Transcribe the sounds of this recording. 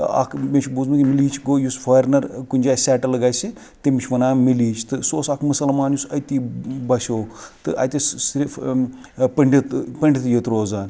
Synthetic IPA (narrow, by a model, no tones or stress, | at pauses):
ɐ̰kʰmʲet͡ʃʰbuzmɨkʲimiliːt͡ʃʰɡoːjusfʰɐjɾnɐɾkunʲd͡ʒaːsʲɛːʈɐlɨɡajsi | t̪imit͡ʃʰʲʋɐnaːmiliːt͡ʃʰt̪ɨsoːsɐkʰmɨsɐlmaːnjusɐt̪iːbɐsʲoːt̪ɨʔɐ̰jt̪ʲissɾif | pɐɳɖʲit̪pɐɳɖʲit̪jɐt̪ɾoːzaːn